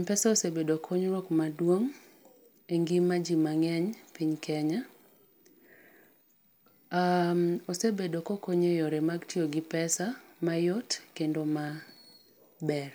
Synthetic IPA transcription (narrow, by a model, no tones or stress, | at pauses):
mpɛsaosebedokʰoɲɾokmadwoŋ | eŋɡimad͡ʒimaŋɛɲpiɲkʰɛɲa | amosebedokokoɲejoɾemaɡtʰioɡɪpɛsamajɔtkendoma | bɛr